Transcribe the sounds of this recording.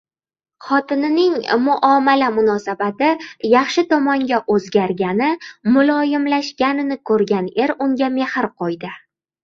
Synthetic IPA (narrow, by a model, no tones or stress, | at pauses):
χɒt̪ɪnɪnɪŋmʊʔɒmalamʊnɒsabat̪ɪjɑχʃɪt̪ʰɒmɒŋɡʲaʔɵzɡʲaɾɡʲanɪmʊlˠɒjɪmlaʃkʲanɪnɪkʰɵɾɡʲane̞ɾʊŋɡʲame̞hɪɾqʰojd̪ɪ